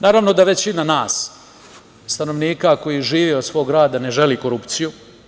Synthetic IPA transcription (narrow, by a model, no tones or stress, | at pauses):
naːɾaʋno̞d̪aʋe̞t͡ɕinanaːs | st̪ano̞ʋniːkako̞jiʒiːʋiod̪sʋo̞ːɡɾaːd̪ane̞ʒeliko̞ɾupt̪siju